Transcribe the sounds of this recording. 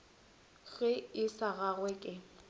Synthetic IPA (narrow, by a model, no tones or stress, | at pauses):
ɣɪɪsaɣaɣwɛkʼɪ